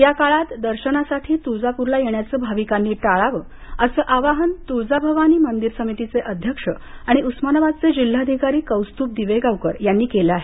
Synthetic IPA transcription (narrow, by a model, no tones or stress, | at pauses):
jakaɭat̪d̪əɾɕənasaʈʰiːt̪ud͡zapuɾlajeɳjat͡səːbʱaʋikanːiːʈaɭaʋəː | əsəːʔaʋaɦənt̪ud͡zabʱəʋañiːmənd̪iɾsəmit̪it͡seʔəd̪ʱjəkʂəaɽ̃iʔusmanəʋad̪̚t͡sed͡ʑil̤ːaəd̪ʱikaɾiːkəwst̪uːp̚d̪iʋeɡawkəɾjanːiːkeleaɦe